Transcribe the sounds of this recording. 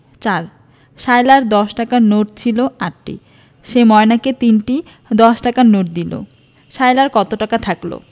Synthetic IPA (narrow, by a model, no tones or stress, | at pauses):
t͡ɕaɾ | ʃajlaɾd̪ɔʃʈakanoʈt͡ɕʰiloaʈːḭ | ʃemɔenaket̪inʈi | d̪ɔʃʈakanoʈ̚d̪ilo̰ | ʃajlaɾkɔt̪oʈakat̪ʰaklo̰